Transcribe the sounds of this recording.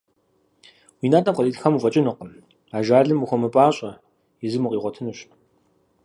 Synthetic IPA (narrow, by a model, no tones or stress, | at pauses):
wiːnaːtʼɐmqəliːɮxɐmufʼɐt͡ʃʼɪnɨqən | aːʒaːɮɨmuxʷɔmɨpʼaːɕʼɐ | jɪzɨmuqʼiːʁʷɔtʰɨnɨɕ